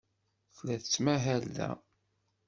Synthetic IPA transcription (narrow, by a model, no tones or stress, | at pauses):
θlæθət͡sːmæɦælːæ̰